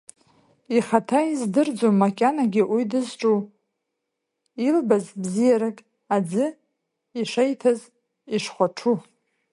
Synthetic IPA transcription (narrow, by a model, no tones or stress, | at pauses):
iχatʰaizdɨrd͡zomːakʲʼanaɡʲɪʔujdɨzʈ͡ʂʼu | ilbazbzijaɾakʼ | ad͡zɨ | iʂejtʰaz | iʂχʷaʈ͡ʂʰu